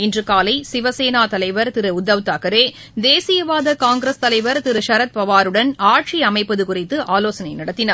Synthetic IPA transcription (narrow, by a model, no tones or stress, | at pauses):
ɪndrɯkaːlɐɪsɪʋɐseːnaːt̪ɐlɐɪʋɐɾt̪ɪɾɯʊd̪ːɐʋt̪aːkɐɾeː | d̪eːsɪjɐʋaːðɐkaːŋɡɾɐst̪ɐlɐɪʋɐɾt̪ɪɾɯʃɐɾɐt̪̚pɐʋaːɾɯɽɐnaːʈ̚t͡ʃiɐmɐɪpːɐðɯkʊrɪt̪ːɯʔaːloːsɐnɐɪnɐɽɐt̪ːɪnaːɾ